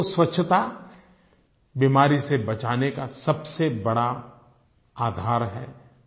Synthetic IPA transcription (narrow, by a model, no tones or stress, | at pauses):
swɐtːʃʰət̪a | bimaːɾisebɐt͡ʃaːnekasɐbsebɐɽa | aːd̪ʱaːɾɦɛː